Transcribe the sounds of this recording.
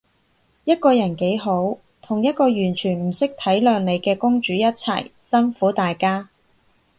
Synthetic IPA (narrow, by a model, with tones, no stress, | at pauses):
jɐ˥t̚kɔː˧jɐ˨˩nke˨˥jɦo˨˥w | t̪ʰʊ˨˩ŋjɐ˥t̚kɔː˧jyː˨˩nt͡ʃʰyː˨˩nm̩˨˩sɪ˥k̚t̪ʰɐ˨˥jlœː˨˧ŋne˨˧jkɛː˧kʊ˥ŋt͡ʃyː˨˥jɐ˥t̚t͡sʰɐ̰˨˩jsɐ˥nfuː˨˥t̪aː˨jkaː˥